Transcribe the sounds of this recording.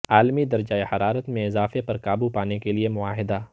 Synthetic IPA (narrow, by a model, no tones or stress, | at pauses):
aːlmid̪ɐɾd͡ʒaːehɐɾaːɾət̪mẽɪzaːfepɐɾkaːbupaːnekeliemʊaːɦɪd̪aː